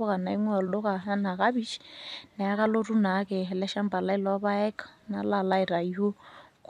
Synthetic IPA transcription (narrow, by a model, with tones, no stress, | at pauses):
ɔ˦ka˨na˨i˦ŋwɛ˦ɔ˨ldɔ˦ka˨ɦa˦na˨ka˦bi˦t͡ʃna˨a˦ka˦lo˦ru˦na˨˦kɪ˨ɦɛ˨lɛ˦ʃa˦m̩˦ba˨la˦i˦lɔwa˦βa˦ɛ˦kḁ˨na̰˨la˨la˦i˨ɾa˨i˦ɦo˦k